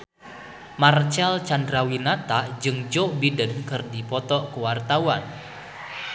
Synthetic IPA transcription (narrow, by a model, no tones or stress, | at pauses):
mart͡ʃɛlt͡ʃandɾawinat̪ad͡ʒɨŋd͡ʒobidənkɨrdipɔt̪ɔkəwart̪awan